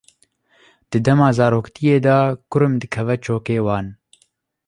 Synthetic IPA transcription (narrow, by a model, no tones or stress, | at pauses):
d̪̥ɨd̪ɛmɑːzɑːɾoːkt̪ʰijeːd̪ɑːkʊɾɨmd̪ɨkʰɛvɛt͡ʃʰoːkeːwɑːn